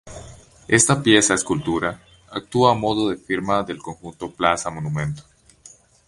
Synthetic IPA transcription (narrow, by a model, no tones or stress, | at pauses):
e̞st̪apje̞saeskult̪uɾa | ak̚t̪uaːmo̞ðoðe̞fiɾmaðe̞lko̞ŋxunt̪o̞plasamonumẽ̞nt̪o̥